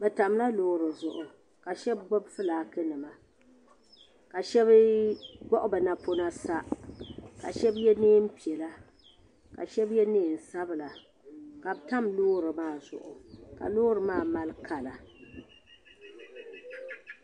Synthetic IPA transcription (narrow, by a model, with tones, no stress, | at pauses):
bɛ˨ta˨m˦la˦loː˦ɾɨ˨zʊ˨ʔʊ˨ | ka˨ʃɛ˦bɡ͡bɔ˦bfɨ˦laː˨kɨ˦nɨ˨ma˨ | ka˨ʃɛ˦βɡɔ˦ʔʊ˦bɨ˨na˨po˦na˦sa˦ | ka̰˨ʃɛ˦bjɛ˦neː˦m̩˦pi˨ɛ˨la˦ | ka̰˨ʃɛ˦bjɛ˦neː˦˨n̩˨sa˦bɨ˨la˨ | ka˨bta˦mloː˦ɾɨ˨maː˦˨zʊ˨ʔʊ˨ka̰˨loː˦ɾɨ˨maː˦˨ma˦lkʰa˨la˨